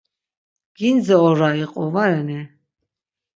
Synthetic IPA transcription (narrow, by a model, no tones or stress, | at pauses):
ɡ̥ind͡zɛɔɾaiqʼɔvaɾɛnɛ